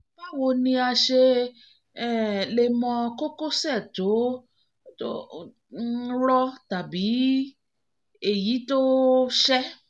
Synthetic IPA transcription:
ba˦wo˧nĩ˧a˧ʃe˧ | ɛ˦˨le˧mɔ̃˧ko˦ko˦sɛ˦˨to˨˦ | to̰˦ | ɾɔ˦ta˨bi˨˦ | e˦˨ji˨˦to˦ʃɛ˦

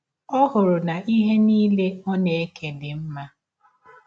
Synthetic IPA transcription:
ɔ˦ɦʊ˨ɾʊ˨na˨ʔi˦ɦe˦niː˦le˦ɔ˦ne˨e˦ke˨dɪ˨m̩˦ma˦

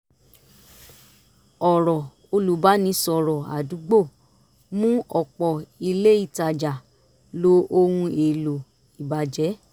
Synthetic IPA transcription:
ɔ˨ɾɔ˨ | o˧lu˨˦ba˨˦nĩ˧˦sɔ˨ɾɔ˨a̰˨du˨˦ɡ͡bo˦˨ | mũ˦ɔ˦˨k͡pɔ˨i˧le˦i˦˨ta˨d͡ʒa˨ | lo˨˦o˧hũ˧e˨lo˨ | i˨ba˨d͡ʒɛ˨˦

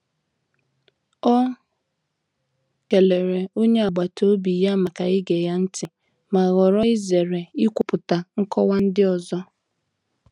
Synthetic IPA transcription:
ɔ˦ | ke˨le˨ɾe˨o˦ɲe˦a˨ɡ͡ba˨to˦bi˨ja˦ma˨ka˨ɪ˦ɡe˨ja˦n̩˦tɪ˨ | ma˨ɣɔ˨ɾɔ˦ɪ˦ze˨ɾe˨i˦kʷʊ˨pʊ˨ta˨ŋ̩˦kɔ˦wa˦n̩˦dɪ˦ɔ˨zɔ˦

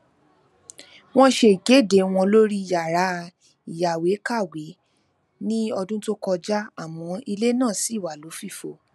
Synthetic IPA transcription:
w̃ɔ̃˦ʃe˧˨ɡe˨˦˨de˨˦w̃ɔ̃˧lo˦ɾi˦˨ja˨ɾa˨˦ | i˨ja˨we˨˦ka˦˨we˨˦ | nĩ˦ɔ˧dũ˦to˦kɔ˧d͡ʒa˦a˦˨m̃ɔ̃˨˧i˧le˦nãː˦˨si˨˦˨wa˨lo˨˦fi˦˨fo˨˦

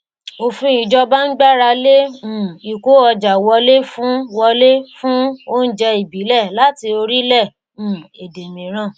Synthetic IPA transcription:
o˧fũ˦i˧d͡ʒɔ˦ba˦n̩˦ɡ͡ba˦ɾa˧lẽ˦˨i˨ko˨˦ɔ˧d͡ʒa˨wɔ˧le˦fũ˦wɔ˧le˦fũ˦o˦n̩˦d͡ʒɛ˧i˨bi˨˦lɛ˦˨la˨˦ti˧o˧ɾi˦lɛ̃˦˨˦ | e˨de˨mĩ˨˦ɾ̃ã˨˦˨

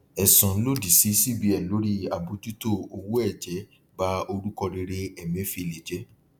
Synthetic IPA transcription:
ɛ˨sɔ̃˨˦lo˦di˨si˨˦si˦bi˧˦ɛ˨lo˨˦ɾi˦a˨bo˨˦tu˦to˦˨o˧wu˦ɛ˦˨d͡ʒɛ˨˦ | ba˦o˧ɾu˦kɔ˧ɾe˧ɾe˦ɛ˨mĩ˨˦fi˧˨le˨d͡ʒɛ˨˦

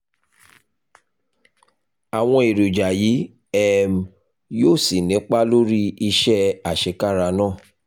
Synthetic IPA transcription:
a˨w̃ɔ̃˧e˨ɾu˨d͡ʒa˨ji˨˦ | ɛ˦˨m˨ | joː˦˨si˨nĩ˨˦k͡pa˦lo˦ɾi˦i˧ʃɛ˦a˨ʃe˧˦ka˦˨ɾa˧nãː˦˨

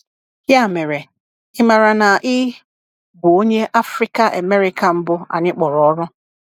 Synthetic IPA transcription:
hja˦˨me˨ɾe˨ | ɪ˦ma˨ɾa˨na˨ʔɪ˦ | ɡo˨o˦ɲe˦ʔa˦fɾi˦ka˦ʔa̰˨me˦ɾi˦ka˨m̩˦bʊ˦a̰˨ɲɪ˦k͡pɔ˨ɾɔ˨ɔ˦ɾʊ˦

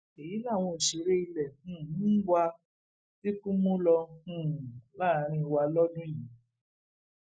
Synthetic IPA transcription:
e˨ji˨˦la˦˨w̃ɔ̃˧˨ʃe˨˦ɾe˦i˧lɛ̃˨˦˨nũ˦ɡ͡ba˧ | ti˦kũ˦mũ˦lɔ˧ũ˨la˦˨˦ɾ̃ĩ˧wa˧lɔ˦dũ˦jĩ˨

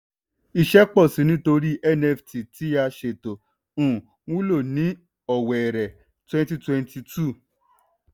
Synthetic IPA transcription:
i˨ʃɛ˦k͡pɔ˦˨sĩ˨˦nĩ˨˦to˧ɾi˦ʔɛ˦˨nɛ˦˨fti˨ti˨˦a˧ʃe˨to˨ | ũ˨ | wũ˦lo˦˨nĩ˨˦ | ɔ˨wɛ˨ɾɛ˨ | twɛ̃˦nti˧twɛ̃˧nti˧tu˦˨

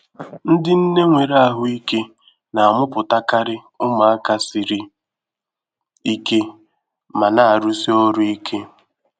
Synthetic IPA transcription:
n̩˦dɪ˦n̩˦ne˦ŋʷe˨ɾa˨ɦʊ˦i˦ke˦ | na˨a˨mʊ˦pʊ˨ta˦ka˦ɾɪ˦ | ʊ˦ma˨a˦ka˦sɪ˨ɾi˦ | i˦ke˦ | ma˨na˨a˨ɾu˦si˦o˦ɾʊ˦i˦kʰe˦

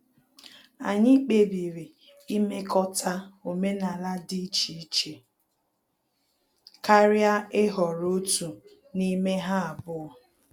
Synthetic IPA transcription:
a̰˨ɲɪ˦k͡pe˦bi˨ɾi˨ | i˦me˦kɔ˦tʰa˦o˨me˦na˨la˦di˦t͡ʃi˨˦t͡ʃe˨ | ka˦ɾɪ˦a˦ɪ˦ɦɔ˨ɾo˦tu˨ | ni˦me˦ɦa˦a˨bʊ˦ɔ˨

